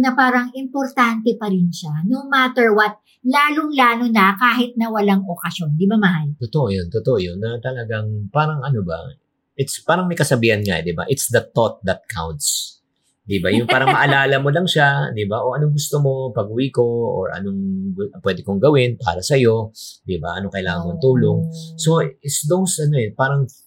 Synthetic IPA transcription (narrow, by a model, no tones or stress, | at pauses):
nɐpaːɾɐŋɪmpoɾt̪ant̪ɛpɐɾɪnʃanomat̪ɛɹwɐt̪̚ | laːloŋlaːnonɐkaːɦɪt̪̚nɐwɐlaŋʔokɐsjo̞nd̪ibamɐhajt̪ot̪oʔojont̪ot̪oʔojonːɐt̪ɐlɐɡaŋpaːɾɐŋʔɐnobɐ̰ | ʔɪt̪spaːɾɐŋmɐjkɐsɐbiːhɐnŋa̰d̪iba̰ʔɪt̪sd̪ɐt̪ot̪̚d̪ɐt̪̚kʰa̰wnt̪s | d̪ibajʊŋpaːɾɐŋmɐʔɐlaːlɐmo̞lɐŋʃad̪ibaʔo̞ʔɐno̞ŋɡʊst̪omo̞pɐɡuwiko̞o̰ɹɐ̰noŋɡpwɛːd̪ɪkoŋɡɐwɪnpa̰ːɾɐsɐjo̞d̪iba̰ʔɐno̞kɐʔɪla̰ːŋɐŋmɐnt̪uːlo̞ŋso̞ɪt̪sd̪owsʔɐnoɛpaːɾɐŋ